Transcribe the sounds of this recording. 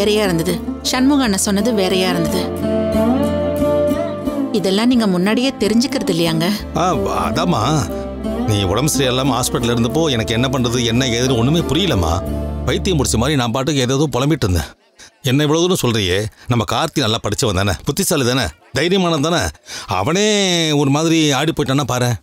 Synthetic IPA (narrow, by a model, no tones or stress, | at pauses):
eːɾɐjaːɪɾɯnd̪ɐðɯ | ʃɐnmʊɣaːnːɐsɔnːɐðɯʋeːɾɐjaːɪɾɯnd̪ɐðɯ | ɪðɛlːãːniːŋɡɐmʊnːaːɽɪjeːt̪ɛɾɪɲd͡ʒɯkːɪɾɐðɪlːɐjaːŋɡɐ | aːɐ̰ðaːma̰ː | niːɔɽɐmsɐɾijɛlːaːmɦaːspɪʈːɐlɪɾɯnd̪ɯp̬ːoːɛnɐkːɛnːɐp̬ɐɳrɐðɯɛnːɐeːðɪɾɯ̃ɔnːɯmeːpʊɾɪjɪlːɐmːa̰ːpɐjt̪ːijɐmpʊɽɪt͡ʃːɐmaːd̪ɾinãːmp̬aːʈ̬ːɯkːɯeːðeːðõpɔlɐmbɪʈːɪɾɯnd̪ɛ̰̃ː | ɛnːɐɪʋːɐɭɐðɯnʊ̃sɔlɾɪjeːnɐmːɐkaːɾt̪ːinɐlːãːpɐɽɪt͡ʃːɐʋɐnd̪aːnɐ̰pʊt̪ːɪsaːliðaːnɐ̰ | d̪ɐjɪɾɪjɐmaːnɐðd̪aːnɐ̰ɐ̰ʋɐneːɔɾɯmaːðɪɾiaːɽipːoːjʈːãːnːaːpaːɾẽː